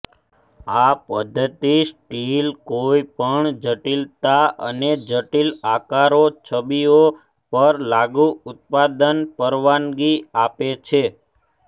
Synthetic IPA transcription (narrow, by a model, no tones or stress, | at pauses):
apəd̪ʱːət̪isʈilkoipəɳd͡ʒəʈilt̪aə̰ned͡ʒəʈilakaɾot͡ʃʰəbio | pəɾlaɡuʊt̪̚pad̪ənpəɾʋanɡiapet͡ʃʰe